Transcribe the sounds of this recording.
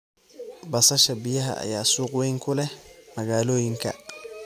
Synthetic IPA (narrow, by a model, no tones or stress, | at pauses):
bɐsɐʃɐbɪjɐɦɐ̰ʔɐ̰jaːsuːqwɛjŋkʰʊlɛmɐɣaːlɔːjɪŋkʰɐ̰